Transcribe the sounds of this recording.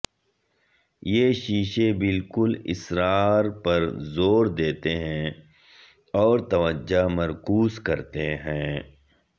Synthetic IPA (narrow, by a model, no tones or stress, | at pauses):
jeːʃiːʃebɪlkʊlɪ̰sɾaːɾpɐɾzoːɾd̪eːt̪eɦɛ̃ | ɔːɾt̪ɐʋəd͡ʒamɐɾkuːzkɐɾt̪eɦɛ̃ː